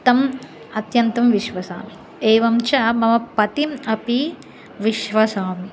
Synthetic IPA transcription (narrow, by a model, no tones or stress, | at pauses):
t̪ɐm | ɐt̪jɐnt̪ɐmʋiʃʋɐsa̰ːm | eːʋɐmt͡ʃɐmɐmɐpɐt̪imɐpi | ʋiʃʋɐsaːm